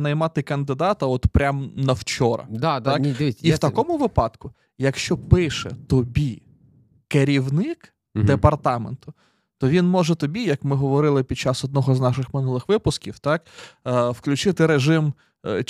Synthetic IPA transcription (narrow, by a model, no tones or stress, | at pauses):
nɐjmɑt̪ɪkɐnd̪ɪd̪ɑt̪ɐɔt̪pɾʲamnɐwt͡ʃɔɾɐ̰d̪ɑiwt̪ɐkɔmʊʋɪpɑt̪kʊ | jɐkʃt͡ʃɔpɪʃɛ̰t̪ɔbʲi | keɾʲiwnɪk | d̪epɐrt̪ɑment̪ʊ | t̪ɔʋʲinmɔʒɛt̪ɔbʲijɐkmɪɦɔʋɔɾɪlˠɪpʲid̚t͡ʃɑsɔd̪̚nɔɦɔznɑʃɪxmɪnulˠɪxʋɪpʊskʲiwt̪ɑkː | wklʲʉʊt͡ʃɪt̪ɪɾeʒɪm